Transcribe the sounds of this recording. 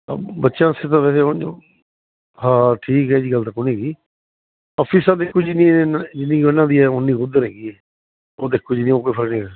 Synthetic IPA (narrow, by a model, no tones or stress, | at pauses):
bətːʃãːset̪ãʋɛːseːõd͡ʒo̰ː | hãːʈʰiːkɦɛːd͡ʒiːɡəlt̪ãːkʊniːd̪iː | ɔːpʰiːsãːd̪ekʰːuːd͡ʒinĩːd͡ʒɪnːĩːənːãːd̪iːɛːʊnːĩːʊd̪əɾɦɛːɡiːɛː | oːd̪ekʰːoːd͡ʒinĩːoːkoːiːpʰəlnĩːə